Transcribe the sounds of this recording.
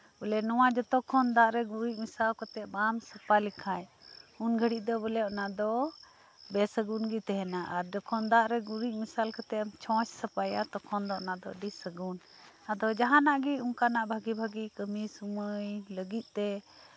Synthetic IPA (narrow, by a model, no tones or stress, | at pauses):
bulɛnɔwad͡ʒɔt̪ɔkʰɔnd̪aʔɾɛɡuɾiʔ̚misalkɔt̪ɛʔ̚bamsəpalikʰaj | unɡʱəɽiʔ̚d̪ɔbəlɛɔʔnad̪ɔ | bɛsəɡunɡit̪ɛɦɛnaʔaɾd͡ʒɔkʰɔnd̪aʔɾɛɡuɾiʔ̚misalkət̪ɛʔmt͡ʃʰɔ̃t͡ʃsəpajat̪ɔkʰɔnd̪ɔʔnad̪ɔ̰ɖisəɡun | ad̪ɔd͡ʒaɦanaʔɡiuŋkanaʔbʱaɡibʱaɡikəmisuməjləɡit̪̚ˀt̪ɛ